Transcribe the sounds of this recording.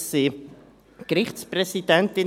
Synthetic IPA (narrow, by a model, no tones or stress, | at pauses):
si | kɾɪχtsprɛsid̥ɛntɪn